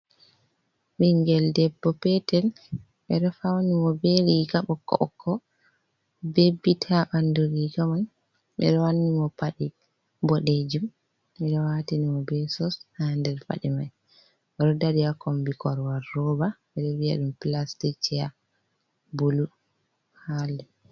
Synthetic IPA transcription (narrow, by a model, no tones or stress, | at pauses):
ɓiŋɡɛldɛbːɔpɛtɛl | ɓɛɾɔfawnimɔbɛɾiɡaɓɔkːɔ̰ʔkʰːɔ | bebːitʰaɓanduɾiɡaman | ɓɛ̰ɗɛwanːimɔpaɗi | bɔɗed͡ʒum | ɛɗɔwatinimɔbɛsɔshandɛlfa̰ɗimaj | ɾɔdaɾijakɔmbikɔɾwaɾːɔbaɓɛɗɔwia̰ɗumplastit͡ʃːɛa | bulu | halːɛ